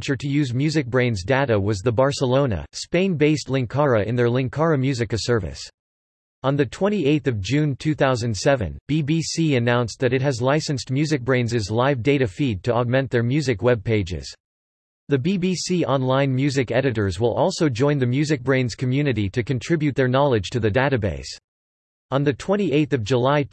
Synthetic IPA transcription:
nt͡ʃə˞ɾɨjʉzmjʉzɨk̚b̥ɹẽɪ̃nzdeɾəwʌzðəbɑɹsəlõʊ̃nə̰spẽɪ̃nbeɪstˡlɪ̃ŋkʰɑɹəʔɨ̃nðə˞lɪ̃ŋkʰɑɹɨmjʉzɨkɨsɜ˞vɨ̰s | ə̃nðɨtʰw̥ɛ̃ɾ̃ieɪθʌvd͡ʒʉ̃ntʰʉθaʊzɨ̃nd̥sɛvɨ̰̃nb̥ibisiɨnãʊ̃nsðɨɾɨt̚ɦɨzlaɪsɨ̃nstmjʉzɨk̚b̥ɹẽɪ̃nzɨzlaɪvdeɪɾɨfid̚tʰɨɑɡ̚mɛ̃n̚ðə˞mjʉzɨkwɛb̚pʰeɪd͡ʒɪ̰z̥ | ðɨbibisiʔɑ̃nlãɪ̃nmjʉzɨkɛɾɨɾə˞zwə̰lˠʔɔlˠsoʊd͡ʒɔ̃ɪ̃nðɨmjʉzɨk̚b̥ɹẽɪ̃nz̥kʰmjʉnɨɾiɾɨkɨ̃ntʰɹ̥ɪbjʉt̪̚ðə˞nɑlˠɨd̥ʒ̥tʰɨðɨdeɪɾɨbḛɪs | ə̃nðɨtʰw̥ɛ̃ɾ̃iʔeɪθʌvd͡ʒəlaɪ

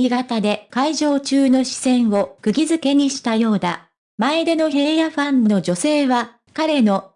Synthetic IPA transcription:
iɡat̪ad̪e̞kaiʑo̞ːt͡ɕɨːno̞ɕi̥sẽ̞ɰ̃o̞kɯ̟ɡʲizɨke̞ɲ̟iɕi̥t̪ajo̞ːd̪a | maed̪e̞no̞ɦe̞ːjaɸãnːno̞d͡ʑo̞se̞ːβa | kaɾe̞no̞

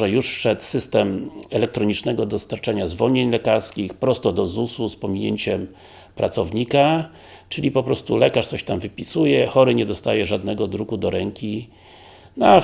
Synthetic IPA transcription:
ɛjuʂfʂɛt̪sɘst̪ɛmɛlɛk̚t̪ɾɔɲit͡ʂnɛɡɔd̪ɔst̪aɾt͡ʂaɲazvɔɲeɲlɛkaɾskʲixpɾɔst̪ɔd̪ɔzususpɔmʲiɲeɲt͡ɕɛm | pɾʔa̰t̪sɔvɲika | t͡ʂɘlʲipɔpɾɔst̪ulɛkaʂtsɔɕt̪amvɘpʲisujɛxɔɾɘɲɛd̪ɔst̪ajɛʐad̪nɛɡɔd̪ɾuɡud̪ɔɾɛŋkʲi | na

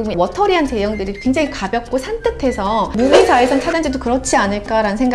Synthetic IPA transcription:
uuwʌtʰʌɾiɦante̞jʌŋdɯɾikweŋd͡ʑaŋikabjʌk̚k͈osʰant͈ʰɯtʰe̞sʰʌmumit͡ɕaesʰʌŋt͡ɕʰad͡ʑand͡ʑidokɯɾʌt͡ɕʰianɯɭk͈aɾanɯnsʰeŋɡ

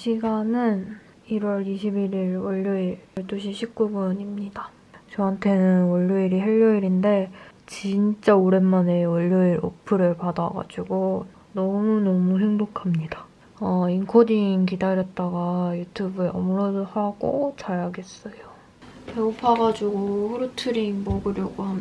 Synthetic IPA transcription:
ɕʰiɡanɯn | iɾwʌɾiɕʰibiɾiɾwʌʎːʌiɾɭt͈uɕʰiɕʰip̚k͈ubuɲimɲida | t͡ɕʌɦantʰe̞nɯnwʌʎːʌiɾiɦeʎːʌiɾinde̞t͡ɕint͡ɕ͈aoɾe̞nːane̞wʌʎːoiɾʔo̰pʰɯɾɯɭpadaɡa̰d͡ʑuɡo | nʌmunʌmuɦe̞ŋbokʰamɲida | ainkʰodiŋk̬idaɾjʌt̚t͈aɡajutʰubɯeʌmɭʌdohaɡ͈o̰t͡ɕ͈ʰaɾaɡe̞s͈ʌjo | eopʰaɡad͡ʑuɡohuɾutʰɯɾiŋmʌɡɯɾjʌɡoɦam

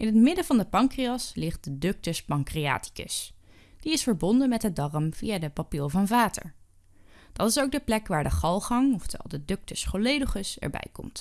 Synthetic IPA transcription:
ʔɪnɦətmɪdəvɑndəpɑŋkriɑslɪχt̚dədɵk̚təspɑŋkria̰ːti̥kə̰s | d̥iɪsfəɹbɔndənmɛtɦədɑrəmv̥ijadəpapiːɹˠvɑnvaːtə̰ɹ | d̥ɑtɪsowk̚dəplɛkʋaːɹdəχɑlˠχɑŋɔftɛ̰lˠdədɵk̚təsfɔlejdəχəsɛ̰ɹbɛ̰jkɔ̰mt

